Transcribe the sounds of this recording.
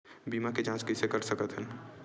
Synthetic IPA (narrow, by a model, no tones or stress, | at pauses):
biːmaked͡ʒãːskəɪsekəɾsəkət̪ɦɛn